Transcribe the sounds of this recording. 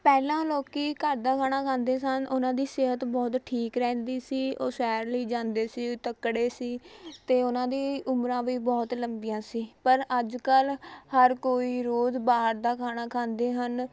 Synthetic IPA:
pɛːlãːloːkiːkəɾd̪aːkʰaːɽ̃aːkʰãːnd̪eːsənʊnãːd̪iːsɪɦət̪bɔːt̪ʈʰiːkɾɛ̃ːnd̪iːsiːo̰ːsɛːɾləiːd͡ʒãːnd̪eːsiːt̪əkɽeːsiːt̪eːʊnãːd̪iːʊmɾãːʋiːbɔːt̪ləmbɪjãːsiːpəɾəd͡ʒkəlhəɾkoːiːɾoːzbaːɾd̪aːkʰaːnaːkʰãːnd̪eːɦən

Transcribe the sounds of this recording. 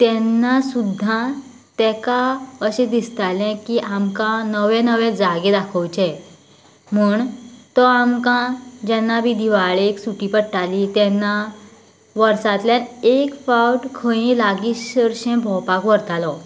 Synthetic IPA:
t̪ɛnːasud̪ʱːã | t̪ɛkaəɕẽd̪ist̪alɛ̃kiʔamkãnəʋɛ̃nəʋɛ̃d͡zaɡẽd̪akʰəwt͡ɕɛ̃ | m̤uːɳt̪ɔamkãd͡ʑɛnːabid̪ʱiʋaɭeksuʈipəɽʈalit̪ɛnːa | ʋəɾsat̪ljanekfawʈkʰə̃jĩlaɡiəɾɕẽbʱɔpakʋəɾt̪alɔ

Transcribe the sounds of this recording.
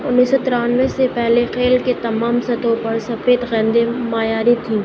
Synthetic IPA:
ʊnːiːsɔt̪ɪɾaːnʋesepɛɦlexeːlket̪ɐmaːmsɐt̪õpɐɾsɐfeːt̪ɣɛ̃ːnd̪emaːjaːɾit̪ʰĩː

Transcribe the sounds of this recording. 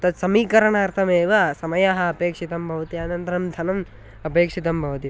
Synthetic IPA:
t̪ɐt̪sɐmiːkɐɾɐɳaːɾt̪ʰɐmeːʋɐsɐmɐjaɦɐɐpeːkʂit̪ɐmbʱɐʋɐt̪iaːnɐnt̪ɐɾɐmd̪ʱɐnɐm | ɐpeːkʂit̪̬ɐmbʱɐʋɐt̪i

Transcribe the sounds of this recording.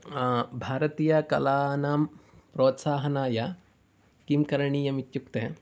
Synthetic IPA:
bʱaːɾɐt̪iːjɐkɐlaːnaːm | pɾoːt̪saːɦɐnaːjɐ | kimkɐɾɐɳiːjɐmit̪jukt̪e

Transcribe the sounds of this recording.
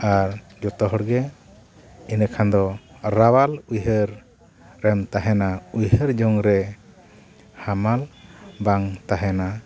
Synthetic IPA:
aɾ | d͡ʒɔt̪ɔɦɔɽɡɛ | inəkʰand̪ɔɾawalujɦəɾː | ɛmt̪aɦɛnaujhəɾd͡ʒɔŋɾɛ | hamalbaŋt̪aɦɛna

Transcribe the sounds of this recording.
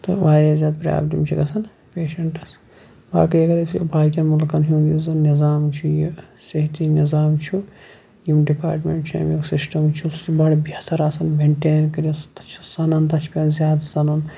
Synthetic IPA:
t̪ɨʋaːɾʲaːzʲjaːd̪̚pɾja̰ːbd̪imt͡ʃʰikɐsɐn | peːʃɐɳʈɐs | ba̰ːkɐjɐɡɐɾɐsjo̰bʱaːkʲɐnmulkɐnɦuːnjizɐnnizaːmt͡ʃʰujisɐɦit̪inizaːmt͡ʃʰu | jimɖipaːɾʈmeɳʈt͡ʃʰujɐ̰mjeksisʈɐmt͡ʃʰubɐɽbɐt̪ʰɐɾɐsɐnbʱeɳʈeːnkɐɾɐst̪t͡ʃʰisɐnɐnt̪ɐt͡ʃʰpʲenzʲjaːd̪sɐnun

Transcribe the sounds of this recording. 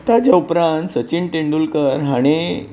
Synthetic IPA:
t̪ad͡ʑaupɾãnt̪sət͡ɕiɳʈeɳɖulkəɾɦaɽ̃e

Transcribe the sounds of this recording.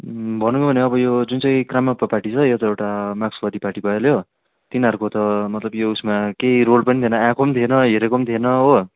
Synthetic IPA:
bʱʌnũbʱʌneʌbʌjod͡zunt͡sʌj̃kramapːaparʈit͡sʰʌjot̪ʌewʈamaksbʌd̪iparʈibʱʌeljo | t̪inɦʌɾukot̪ʌmʌt̪lʌbjousmakeirolpʌnit̪ʰienʌãkʰomt̪ʰenʌɦeɾekomt̪ʰenʌo

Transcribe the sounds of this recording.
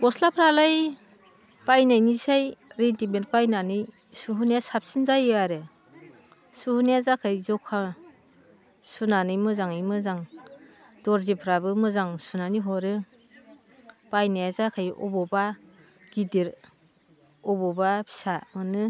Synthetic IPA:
kɔslapʰɾalaj | pajnajnisajɾentiment̚pajnanɯj | suɦunijasap̚sinzajɯaɾɯ | suhunijazakʰɯjzɔkʰa | sunanɯjmɯzaŋɯjmɯzaŋ | d̥ɔɾzipʰɾabɯmɯzaŋsunaniɦɔɾɯ | pajnajazakʰajɔ̰bɔba | ɡ̥idiɾ | ɔbɔbapʰi̥samɯnɯ

